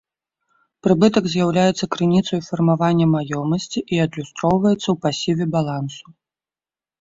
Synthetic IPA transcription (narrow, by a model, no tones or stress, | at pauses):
pɾɨbɨt̪ɐɡzʲjawlʲajɛt̪sːɐkɾɨnʲit̪sɐjfɐrmavanʲːɛmajɔmɐsʲt͡sʲiʔiɐd̪lʲust̪ɾɔwvɐjɛt̪sːɐwpasʲivʲɛbalˠansu̥